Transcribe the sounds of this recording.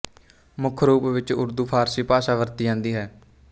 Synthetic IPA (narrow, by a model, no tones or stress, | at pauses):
mʊkʰɾuːpːʋɪt͡ʃʊ̰ɾd̪uːpʰaːɾsiːpaːʃaːʋəɾt̪iːãːnd̪iːɦɛː